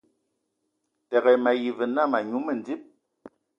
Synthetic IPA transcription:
tɛ˨ɣɛ˨ma˨ji˨vɨ˨na˦˨ma˨ɲu˨˦mə˦˨n˨d͡zi˦p̚

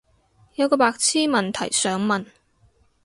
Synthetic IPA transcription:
jɐ˨˧wkɔː˧paː˧k̚t͡sʰiː˥mɐ˨nt̪ʰɐ̰˨˩jsœː˨˥ŋmɐ˨n

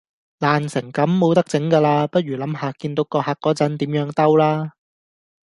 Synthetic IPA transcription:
laː˨˩nsɪ˨˩ŋkɐ˨˥mːo˨˧wt̪ɐ˥k̚t͡sɪ˨˥ŋkaː˧laː˧pɐ˥t̚ɥyː˨˩lɐ˨˥mɦaː˧kiː˧nt̪o˨˥wkɔː˧haː˧kːɔː˨˥t͡sɐ˨˥nt̪iː˨˥mjœː˨˧˥ŋt̪ɐ˥wlaː˥

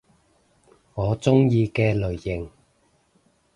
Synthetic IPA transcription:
ŋɔː˨˧t͡sʊ˥ŋjiː˧kɛː˧lɵ˨˩ɥːɪ˨˩ŋ

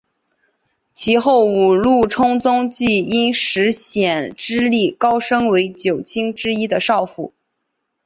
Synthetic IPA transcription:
t͡ɕʰi˧˥xo˥˩ʊu˨˩lu˥˩ʈ͡ʂʰʊ˥ŋt͡sʊ˥ŋt͡ɕi˥˩i˥nʂɻ̩˧˥ɕjɛ˨˩nʈ͡ʂɻ̩˥li˥˩kɑ˥ʊʂɤ˥ŋwe˧˥ɪt͡ɕjo˨˩ʊt͡ɕʰi˥ŋʈ͡ʂɻ̩˥i˥d̪ə˨ʂɑ˥˧ʊfṵ˥˩˦

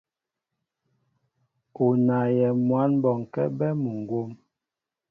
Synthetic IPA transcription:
u˨na˨jɛ˨mwa˨˦nbɔ˨ŋ˨kɛ̰˦bɛ˦mu˨ŋ˨ɡo˦m

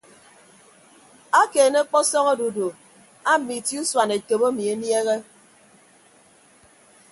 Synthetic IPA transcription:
a˦keː˨ne˦k͡pɔ˦sɔ˦ŋo˦do˨do˨ | a˦m̩˨mi˨ti˦u˦swa˨ne˨ke˨bo˦mi˨e˦nje˦ɣe˦

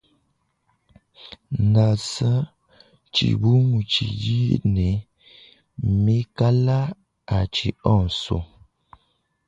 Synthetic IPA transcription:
na˨sə˦ | t͡ʃḭ˨bu˦mu˨t͡ʃḭ˨d͡ʒi˦ne˨˦ | mi˦ka˦la˦ | a˨t͡ʃi˨ɔ˦˨n˨so̰˨

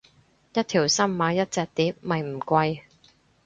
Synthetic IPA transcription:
jɐ˥t̚t̪ʰiː˨˩wsɐ˥mːaː˨˧jɐ˥t̚t͡sɛː˨˧k̚t̪iː˨˥p̚mɐ˨jm̩˨˩kʷɐ˧j

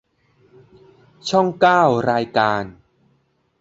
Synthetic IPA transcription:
t͡ɕʰɔ˥˩ŋkaː˥˩wɾaː˧jkaː˧n

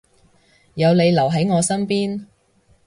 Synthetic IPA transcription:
jɐ˨˧wle˨˧jlɐ˨˩wɦɐ˨˥jŋɔː˨˧sɐ˥mpiː˥n

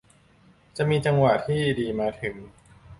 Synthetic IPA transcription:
t͡ɕa˨˩miː˧t͡ɕa˧ŋwaː˨˩t̪ʰiː˥˩˨diː˧maː˧t̪ʰɯ˩˦ŋ

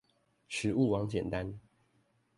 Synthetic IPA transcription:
ʂʰɻ̩˨˥u˥˨wɑ˧˦ŋt͡ɕjɛ̰˨˩nt̪a˦n

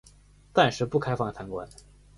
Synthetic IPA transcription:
t̪a˥˧nʂɻ̩˥˧pu˥˩kʰa˥ɪfɑ˥˩ŋt̪ʰa˧˥nkwa̰˧˥n

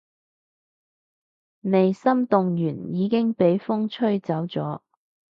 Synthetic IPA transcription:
me˨jsɐ˥mt̪ʊ˨˧ŋjyː˨˩njiː˨˧kɪ˥ŋpe˨˥jfʊ˥ŋt͡ʃʰɵ˥ɥt͡sɐ˨˥wt͡sɔ̰ː˨˥

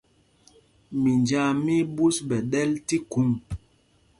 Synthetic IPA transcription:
mi˨nd͡ʒa˦˨mi˦bu˦sɓɛ˨ɗɛ˦lti˦ku˨˦ŋ

